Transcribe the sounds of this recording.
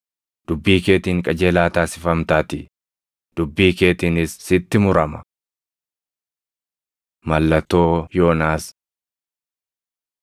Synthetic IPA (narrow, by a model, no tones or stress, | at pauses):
d̪̥ʊbːiːke̞ːt̪iːŋkʼɐd͡ʒe̞ːlaːt̪aːsɪfɐmt̪aːt̪ɪ | d̪̥ʊbːiːke̞ːt̪iːnɪsːɪt̪ːɪmʊɾɐmɐ | mɐlːɐt̪ːo̞ːjo̞ːnaːs